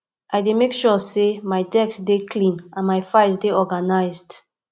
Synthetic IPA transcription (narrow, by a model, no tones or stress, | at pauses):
ʔajdemekʃɔsemaɪdɛksdekʰlĩnãnmajfajsdeɔɡanaɪzd̥